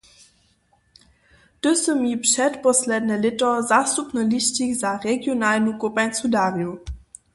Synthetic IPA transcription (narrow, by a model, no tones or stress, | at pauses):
d̥ɵsəmiːpʃɛtpɔslɛdnəlɪtɐzaːstupnɔliɕtikzaʁɛɡjonaːlnukopajnsudaːʁju